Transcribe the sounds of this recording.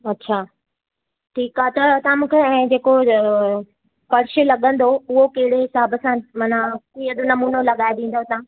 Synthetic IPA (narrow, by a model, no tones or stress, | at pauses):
ɐtːɕʰaː | ʈʰiːkaːt̪ɐt̪ɐãmũːkʰeɛ̃ːd͡ʑeːko | pɐɾɪʃɪlɐɠə̃nd̪oʊɦokɐɦɪɽeɪsaːbəsãmɐnakiːɐd̪ʊnɐmuːnolɐɠaːed̪ĩːn̆d̪ot̪ã